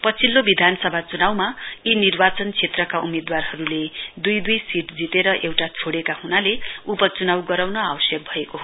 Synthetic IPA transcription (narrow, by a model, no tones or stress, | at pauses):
pʌt͡sʰilːobid̪ʱanʌsʌbʱat͡sunawmainirbat͡sʌnt͡sʰet̪rʌkaumed̪warɦʌɾuled̪ujd̪ujsiʈd͡zit̪eɾʌʔewʈat͡sʰoɽekahunaleupʌt͡sunawɡʌɾawnʌawʌsjʌk̚bʱʌekoɦo